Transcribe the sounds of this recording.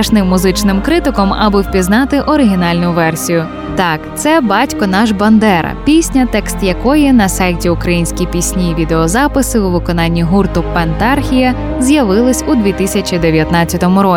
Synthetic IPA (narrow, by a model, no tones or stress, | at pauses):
ɐʃnɪmːʊzɪt͡ʃnɪmkɾɪt̪ɪkɔmɐbɨwpʲiznɑt̪ɪʔɔɾɪɦʲinɑlʲnʊʋɛrsʲijʊ | t̪ɑkt̪sɛbɑtʲkɔnɑʒbɐnd̪ɛɾɐ̰pʲisʲnʲɐt̪ɛkst̪jɐkɔjɪnɐsɑjtʲiʊkɾɐjinʲsʲkʲijpʲisʲnʲiʋʲid̪eɔzɑpɪsɪuʋɪkɔn̪ɑnʲːiɦurt̪ʊpɛnt̪ɑrxʲijɐ | zʲjɐʋɪlˠɪsʲud̪ʲʋʲit̪ɪsʲɐt͡ʃʲid̪e̞ʋʲjɐt̪nɑt͡sʲːɐt̪ɔmʊɾɔ